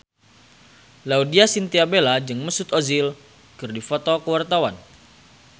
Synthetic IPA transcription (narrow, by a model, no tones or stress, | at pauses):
laudiasint̪iabelad͡ʒɨŋməsʊt̪ozil | kɨrdifɔt̪ɔkəwart̪awan